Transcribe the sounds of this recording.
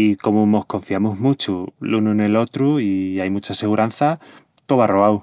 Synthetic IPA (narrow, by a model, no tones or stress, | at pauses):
iko̞mumo̞hkõ̞ɱfjamuɦmut͡ʃulunune̞lo̞t̪ɾuiajmut͡ʃase̞ɣuɾʔan̟θa | k̪oβaroβaw